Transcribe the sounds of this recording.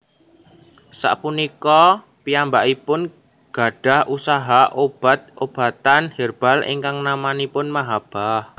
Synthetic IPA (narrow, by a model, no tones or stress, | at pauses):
sa̰ʔpunikɔ | piambaʔipʊn | ɡ̥a̤ɖ̥a̤hʔusaɦaʔob̥a̤t̪̚ʔob̥a̤t̪anherb̥a̤lʔḭŋkaŋnamanipʊnmaɦab̥ah